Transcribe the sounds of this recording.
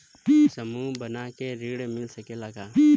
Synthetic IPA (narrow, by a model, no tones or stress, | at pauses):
pisəmubənakeɾiɽmɪlsəkelaɡai